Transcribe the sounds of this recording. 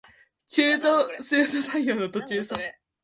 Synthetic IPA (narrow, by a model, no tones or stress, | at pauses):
t͡ɕɨːt̪osɨːsɨsajjoːnot̪ot͡ɕɨːso